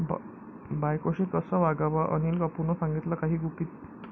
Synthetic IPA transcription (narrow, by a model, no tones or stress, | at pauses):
b | bajkoɕikəsəʋaɡaʋaʔəniːlkəpunɔsãŋɡit̪lakaɦiːɡupit̪